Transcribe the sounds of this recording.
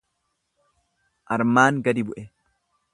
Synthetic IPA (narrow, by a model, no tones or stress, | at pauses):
ʔɐɾmaːŋɡɐd̪ɪbʊʔɛ